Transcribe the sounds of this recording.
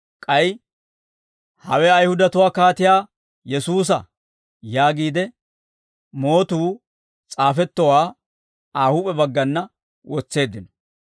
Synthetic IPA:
kʼɐj | hɐ̰wɛɐjhʊd̪ɐt̪ʊwaːkaːt̪ɪjaː | jɛsuːs̬ɐ̰ | jaːɡiːd̪ɛ | mo̞ːt̪uː | t͡sʼaːfɛt̪ːɔwaː | aːhuːpʼɛbɐɡːɐnːɐ | wɔt͡sːe̞ːd̪ːɪnɔ̥

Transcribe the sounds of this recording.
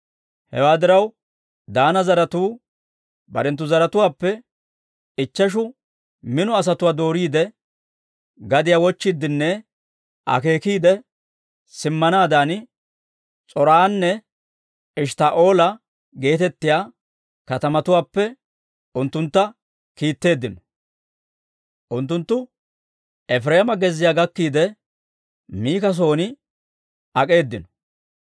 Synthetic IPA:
hɛ̰waːd̪ɪɾɐw | d̪aːnɐzɐɾɐt̪uː | bɐ̰ɾɛnt̪ːʊzɐɾɐt̪ʊwaːpːɛ | ɪt͡ʃːɐʃ̬ʊ | mɪnɔɐs̬ɐt̪ʊwaːd̪o̞ːɾiːd̪ɛ | ɡɐd̪ɪjaːwɔt͡ʃːɪd̪ːɪnːɛ | ʔɐ̰ke̞ːkiːd̪ɛ | sɪmːɐnaːd̪aːn | t͡sʼɔɾaːnːɛ | ɪʃt̪aːʔo̞ːlɐ | ɡe̞ːt̪ɛt̪ːɪjaː | kɐt̪ɐmɐt̪ʊwaːpːɛ | ʊnt̪ːʊnt̪ːɐ | kiːt̪ːe̞ːd̪ːɪnɔ̥ | ʔʊnt̪ːʊnt̪ːʊ | ɛfɾeːmɐɡɛzːɪjaːɡɐkːiːd̪ɛ | miːkɐs̬o̞ːnɪ | ɐkʼe̞ːd̪ːɪnɔ̥

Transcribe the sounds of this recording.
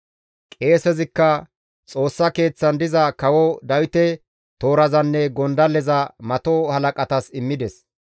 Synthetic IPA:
kʼe̞ːsɛzɪkːɐ | t͡sʼo̞ːsːɐke̞ːt͡sːɐnd̪ɪzɐkɐwɔd̪ɐwɪt̪ɛ | t̪o̞ːɾɐzɐnːɛɡɔnd̪ɐlɛzɐmɐt̪ohɐlɐkʼɐt̪ɐsɪmːɪd̪ɛs

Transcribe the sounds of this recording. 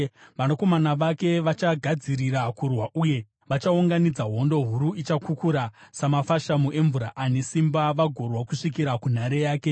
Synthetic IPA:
ʋanoko̞manaʋake̞ʋat͡ʃaɡʱad͡ziɾiɾakurwaʔuje̞ | ʋat͡ʃauŋɡanid͡zaɦo̞ndo̞ɦuɾuʔit͡ʃakukuɾasamafaʃamuʔe̞ɱvuɾaʔane̞simbaʋaɡʱo̞rwakuʂik̬iɾakun̤aɾejaːke̞

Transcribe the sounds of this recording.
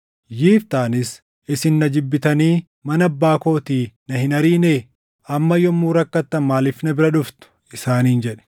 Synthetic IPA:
jiːft̪aːnɪs | ɪsɪnːɐd͡ʒɪbːɪt̪ɐniː | mɐnɐbːaːko̞ːt̪iːnɐhɪnɐɾiːneː | ɐmːɐjɔmːuːɾɐkːɐt̪ːɐnmaːlɪfnɐbɪɾɐᶑʊft̪ʊ̥ | ɪsaːniːnd͡ʒɛᶑɛ̥

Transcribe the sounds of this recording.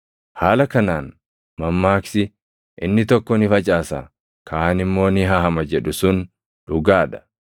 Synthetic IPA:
haːlɐkɐnaːn | mɐmːaːksɪ | ʔɪnːɪt̪ɔkːɔnɪfɐt͡ʃʼaːsa̰ː | kʰaːnɪmːo̞ːnɪɦɐhɐmɐd͡ʒɛᶑʊsʊn | ᶑʊɡaːᶑɐ̥

